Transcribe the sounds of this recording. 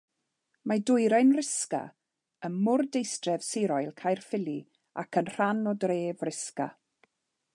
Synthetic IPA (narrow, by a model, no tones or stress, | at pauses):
madʊjɾajnrɪska̰ | ənmʊrdejstrɛv̥sɪɾɔjlˠkʰajrfɪlˠi | a̰kʰənr̥anɔdreːvrɪska̰